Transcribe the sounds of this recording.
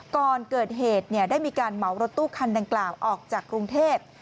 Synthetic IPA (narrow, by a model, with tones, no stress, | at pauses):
kɔː˨˧nkɤː˨˩t̪̚ɦeː˨˩t̪̚ni˥˩daː˥˩jmiː˧kaː˧nma˨˩˦wɾo˦˥t̪ːuː˥˩kʰa˧nda˧ŋklaː˨˩wʔɔː˨˩k̚t͡ɕaː˨˩kːɾu˧ŋt̪ʰeː˥˩p̚